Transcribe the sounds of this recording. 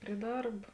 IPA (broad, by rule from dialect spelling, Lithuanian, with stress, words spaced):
pʲrʲɪ ˈdɐrp